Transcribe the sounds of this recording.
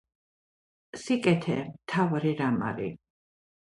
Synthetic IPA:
sikʼɛt̪ʰɛmt̪ʰavɾiɾama̰ɾḭ

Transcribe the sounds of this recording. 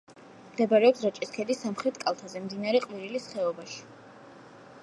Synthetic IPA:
md̪ɛbaɾɛɔpsɾat͡ʃʼiskʰɛd̪isamχɾɛt̪ʰkʼalˠt̪ʰazɛmd̪inaɾɛqʼviɾilisχɛɔbaʃi̥

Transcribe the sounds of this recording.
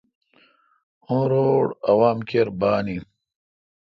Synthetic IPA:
õːɾoːɽɐwaːmkeɾbaːni

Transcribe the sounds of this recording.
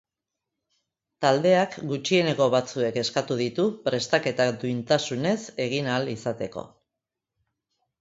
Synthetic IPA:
t̪ald̪e̞akɡut͡ʃie̞ne̞ko̞βat͡sue̞ke̞skat̪uð̞it̪upɾe̞st̪ake̞t̪ad̪uint̪asune̞se̞ɣinalisat̪e̞ko̞̰

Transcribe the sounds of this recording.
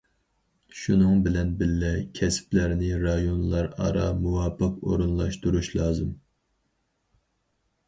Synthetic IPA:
ʃunɨŋbɪlɛnbɪlːɛkʲʰɛsplæɾnɪɾɑjonlˠɑɾɑ̰ɾɑ̰muwɑːpʰɨqo̰ɾunlˠɑʃt̪uɾuʃlˠɑːzɨm

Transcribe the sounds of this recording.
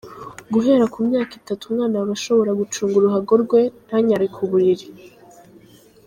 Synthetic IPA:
ɡuɦe̞ɾakumɲaːkitatumŋaːnaβaʃo̞βo̞ɾaɡut͡ʃuːŋɡuɾuɦaɡo̞ɾɡwe̞n̥haɲaɾikʰuβuɾiɾi

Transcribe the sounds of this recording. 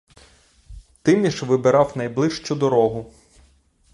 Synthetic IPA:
t̪ɪmnʲiʃʋɪbeɾɑwnɐjblˠɪʃt͡ʃʊd̪ɔɾɔɦʊ

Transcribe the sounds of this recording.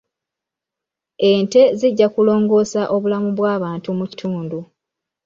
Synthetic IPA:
e̞ːnte̞ziɟːakulo̞ːŋɡo̞ːsaʔo̞βulamuβwaːβaːntumuci̥tʰuːndu

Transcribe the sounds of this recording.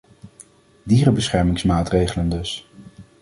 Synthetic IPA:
diːrəbəsχɛɹmɪŋsmaːtrejχələndɵs

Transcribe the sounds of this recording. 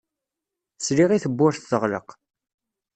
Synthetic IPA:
sliʁiθəbːʊɾθθəʁlə̰q

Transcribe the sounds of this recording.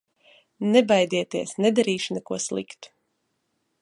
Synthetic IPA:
nɛbajd̪ʲiɛt̪iɛsnɛd̪aɾiːʃunɛkuɔslˠḭkt̪

